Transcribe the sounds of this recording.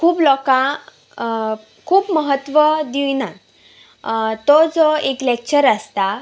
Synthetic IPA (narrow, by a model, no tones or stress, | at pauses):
kʰuːplɔkã | kʰuːpməɦət̪ʋəd̪ina | t̪od͡zɔeklek̚t͡ɕəɾəst̪a